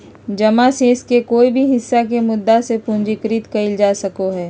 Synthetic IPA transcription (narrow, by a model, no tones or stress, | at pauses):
d͡ʒɐmaseːskekoːibʱiɦɪsːakemʊd̪ːasepʊ̃nd͡ʒikɾit̪kɐɪld͡ʒaːsɐkoɦɛː